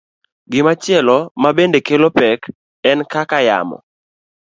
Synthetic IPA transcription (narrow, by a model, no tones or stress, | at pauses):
ɡɪmat͡ʃɪɛlɔmabendekelopɛk | ɛnkakaja̰mɔ̰